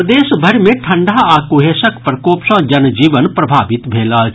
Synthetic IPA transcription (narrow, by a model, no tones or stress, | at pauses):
d̪eːʃbʱɐɾmẽʈʰɐ̃ɳɖʱaːaːkuɦeːsəkpɾəkoːpsãːd͡ʒɐnd͡ʒiːʋənpɾɐbʱaːʋɪt̪bʱeːlaː